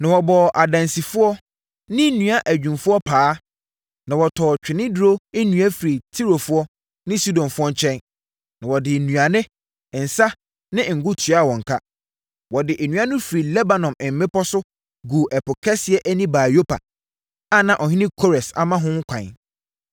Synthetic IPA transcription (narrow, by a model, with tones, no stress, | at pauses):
nã˨wɔ˨bɔ˨ʔa˨dã˨nsi˨fʊ˦ɔ˦ | nɪ̃˦nũ˨a˦ʔæ˨d͡ʑᶣũ˨mfʊ˦ɔ˦pʰaː˨˦ | nã˨wɔ˨tʰɔː˨t͡ɕᶣɪ˨nɪ̃˦du˦ɾo˦e˦nũ˨æ˦fi˨ɾi˨tʰi˦ɾo˨fʊ˦ɔ˦ | nɪ̃˦su˦dɔ̃˨mfʊ˦ɔ˦t͡ɕʰɛ̃˦n | nã˨wɔ˨dɪ˨nũ˨a˨nɪ̃˦˨ | n̩˨sa˦ | nɪ̃˦ŋ̩˨ɡʊ˦tʰɥa˦˨wɔ̃˨ŋ˨kʰa˦ | wɔ˨dɪ˨ʔe˨nũ˨˦a˦nʊ̃˦fi˨ɾi˨lɛ˦ba˨nɔ̃˨mɪ̃˨m̩ː˨˦mɪ̃˦pɔ˦sʊ˦ | ɡu˨ʔɛ˨pʊ˨kʰɛ˦sɪ˨ɛ˦ʔæ˦nĩ˦baː˨jo˦pʰa̰˨ | a˦nã˨ʔɔ˨hɪ̃˦nɪ̃˦kʰo˦ɾɛ˨sa̰˨mã˦ɦʊ̃˦ŋ˦kʷʰã̰˨n